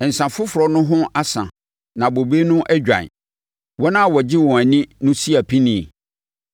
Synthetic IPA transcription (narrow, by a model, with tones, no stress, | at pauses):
n̩˨sã˨fʊ˦fʊ˨ɾɔ˨nʊ̃˦ɦʊ̃˦a˦sã̰˨ | nã˨bo˨be˦nʊ̃˦ʔæ˦d͡ʑᶣã̰˨n˨ | wɔ˦nã˦˨wɔ˨d͡ʑɪ˦wɔ̃˨æ˨nĩ˦nʊ̃˦si˦æ˨pʰĩ˦nĩ˨